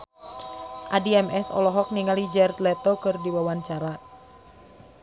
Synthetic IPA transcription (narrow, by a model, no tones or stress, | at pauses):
ʔadiɛmɛsɔ̰lɔɦɔk̚niŋalid͡ʒɛrt̪lɛt̪ɔkɨrdiwawaɲt͡ʃaɾa